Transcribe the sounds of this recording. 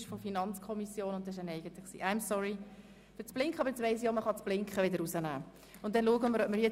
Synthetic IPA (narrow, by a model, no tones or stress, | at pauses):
ʃfɔfinɑnt͡skʰɔmisjoːnʊnt̪ːɛɪʃ̬ənɛɪɡənt̪ɪksḭːʔæɪmsɔɹi | fət͡sb̥lɪŋkχəɑbəɾɛt͡sʋeɪs̬joːməχɑt͡sb̥lɪŋkχəʋɪdəɾusənæː | ʊntdɛnluəɡəməɾœbməɾjɛ